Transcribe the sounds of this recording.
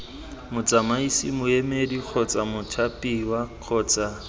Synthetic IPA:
mʊt͡sʼamaisimʊemedik͡xʰɔt͡sʼamʊtʰapʼiwaq͡χʰɔːt͡sʼa

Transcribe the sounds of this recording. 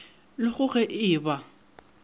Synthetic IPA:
lɪχʊχɛʔɪːba

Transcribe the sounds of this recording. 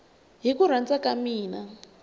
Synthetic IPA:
ɦikuɾ̤ant͡sakamiːna

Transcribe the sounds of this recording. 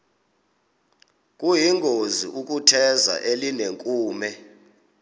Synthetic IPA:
kʼujiŋɡʱozḭʔuk̬ʼutʰɛza̰ʔelineŋkʼuːmɛ

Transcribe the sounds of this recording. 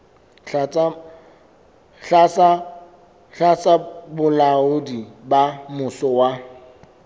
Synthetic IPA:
t͡s | ɬasa | ɬat͡sabʊlaʊdibamʊsɔwa

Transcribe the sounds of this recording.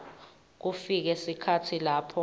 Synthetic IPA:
k̬ufik̬ɛsikʰatʰilaːpʰɔ

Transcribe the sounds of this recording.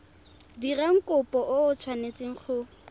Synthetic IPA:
diraŋ̩kʼʊpʼɔʔʊʊt͡sʰwanet͡sʼɪŋ̩χʰʊ

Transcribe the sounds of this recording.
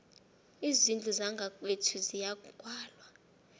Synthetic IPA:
izind͡ɮʼuzaŋɡʱakʼetʰuzijakʼwaːlwa

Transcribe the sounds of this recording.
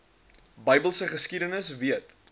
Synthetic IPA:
bəjbəlˠsəχəskidənəsviət

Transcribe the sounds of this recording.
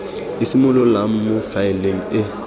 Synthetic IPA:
isimʊlɔlam̩mʊfaɪleŋ̩ɪ

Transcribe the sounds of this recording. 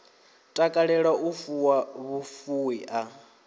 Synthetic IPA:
tʼakʼaɺɛɺaʔufuwaβufuwiʔa

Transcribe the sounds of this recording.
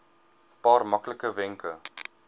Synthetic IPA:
pɑːrmɐkləkəvɛŋkʰə

